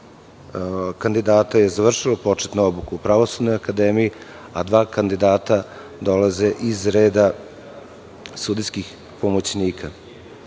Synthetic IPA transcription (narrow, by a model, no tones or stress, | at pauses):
kand̪id̪aːt̪aje̞zaʋr̩ʃilopo̞t͡ʂet̪nuobukuupɾaʋosud̪no̞jakad̪eːmiji | ad̪ʋaːkand̪id̪aːt̪a | d̪o̞laze̞ʔizɾeːd̪a | sud̪iskix | po̞mo̞t͡ɕniːkʰa